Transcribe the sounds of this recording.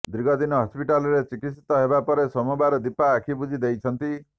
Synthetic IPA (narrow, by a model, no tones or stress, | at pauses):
d̪ɾiɡɔd̪inɔɦɔspiʈalɔɾet͡ʃikit̪sit̪ɔɦebapɔɾesɔmɔbaɾɔd̪ipaːkʰibud͡ʒʱid̪ejt͡ʃʰɔnt̪i